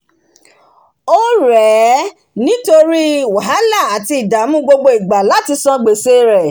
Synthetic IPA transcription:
o˦ɾɛː˨˦ | nĩ˦to˧ɾi˦wa˨ɦa˨˦la˦˨a˨ti˧i˨da˨˦mũ˦ɡ͡bo˧ɡ͡bo˧i˨ɡ͡ba˨la˨˦ti˧sɔ̃˧ɡ͡be˨se˧ɾɛ˨

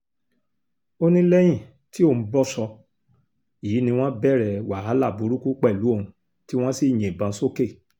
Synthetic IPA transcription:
o˧nĩ˧lɛ˦j̃ĩ˦˨ | ti˦õ˦˨˦bɔ˦sɔ˧ | ji˨˦nĩ˧w̃ɔ̃˦bɛ˦˨ɾɛ˨wa˨ɦa˨˦la˦˨bu˨˦ɾu˦ku˦k͡pɛ˦˨lu˨˦o˦˨ũ˧ | ti˦w̃ɔ̃˦si˦˨j̃ẽ˨bã˨˧˦so˦ke˦˨

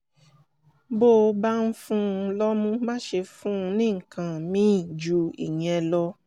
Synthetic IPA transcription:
bo˦˨˧ba˦n̩˦fũ˦˧lɔ˦mũ˦mã˦ʃe˧fũ˦˧nĩ˦ŋ̩˨kã˨mĩ˦˨d͡ʒu˧ḭ˨ɲĩ˨ɛ˧lɔ˧˦

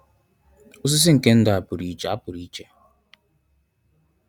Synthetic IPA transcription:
o˦s̬ɪ˦s̬ɪ˦ŋ̩˨ke˦n̩˦dʊ˨a˨pʊ˨ɾi˨˦t͡ʃe˨a˦pʊ˨ɾi˦t͡ʃe˨

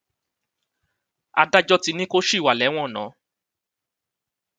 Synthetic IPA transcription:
a˧da˦d͡ʒɔ˦ti˧nĩ˦ko˦ʃi˦˨wa˨lɛ˨˦w̃ɔ̃˦˨nã̰˨˦

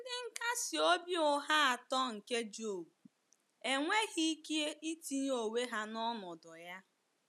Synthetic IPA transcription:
n̩˦dɪ˦ŋ̩˦ka˦si˨o˦bjʊ˦ɦa˦a˨tɔ˦ŋ̩˨ke˦d͡ʒo˨ | e˨ŋʷe˦ɣi˦ke˦ʔi˦ti˦o˨we˦ɦa˦nɔ˦nɔ˨dʊ˨ja˦

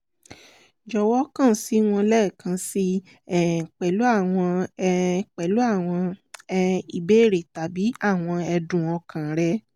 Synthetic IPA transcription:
d͡ʒɔ˧˨wɔ˦kã˦˨˦si˨˦w̃ɔ̃˧lɛː˦˨kã˧si˦˨ | k͡pɛ˨lu˨˦a˦˨w̃ɔ̃˧ | k͡pɛ˨lu˨˦a˦˨w̃ɔ̃˧ | i˨be˨˦˨ɾe˨ta˨bi˨˦a˦˨w̃ɔ̃˧ɛ˧dũ˨ɔ˧kʰã˨ɾɛ˧˦

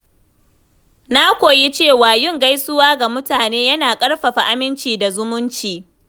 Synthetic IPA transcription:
na˦kʷoː˨ji˦t͡ʃeː˦˨waː˨jɪ˦˨ŋɡa˦jsʊ˦waː˦ɡa˨mʊ˦taː˨neː˦jɐ˦naː˨kʼɐ˦ɽɸɐ˨ɸa˨ʔa˦mɪ˦nt͡ʃiː˨da˨zʊ˦mʊ˦nt͡ʃiː˨

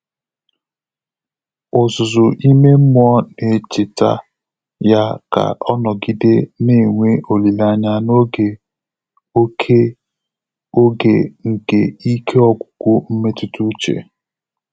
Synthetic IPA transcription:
ʊ˨zʊ˨zʊ˨ʔi˦me˦m̩˦mʊ˦ɔ˦ne˨t͡ʃɪ˨ta̰˦ | ja˦ka̰˨ɔ˦nɔ˨ɡi˦de˦ni˦˨ŋʷe˦ʔo˨li˨la˦ɲa˦no˦ɡe˨ | o˦kʰe˦ | o˦ɡḛ˨ŋ̩˨ke˨i˦kʰe˦ɔ˦ɡʷʊ̥˨kʷʊ˦m̩˦me˦tʊ˦tu˦t͡ʃḛ˨

